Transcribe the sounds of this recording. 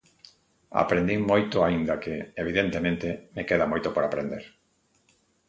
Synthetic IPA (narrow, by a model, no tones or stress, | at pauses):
a̰pɾend̪imojt̪ʊaind̪akeeβ̞iðent̪emẽnt̪emekeðamojt̪opoɾapɾend̪eɾ